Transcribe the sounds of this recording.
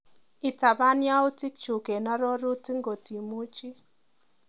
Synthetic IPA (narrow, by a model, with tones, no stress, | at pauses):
ɪ˨ta˨ba˦nja˦ʊ˦ti˦k̚t͡ʃu˨ke˨na˦ɾɔ˦ɾu˦ti˦ŋɡo˨ti˨mu˦t͡ʃi˦